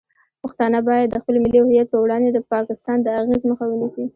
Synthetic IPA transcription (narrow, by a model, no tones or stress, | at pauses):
pəxt̪ɑnəbɑjad̪ːəxpəlmɪlihʊjat̪̚pəwɽɑnd̪ed̪əpɑkɪst̪ɑnd̪əaɣezməxawənisi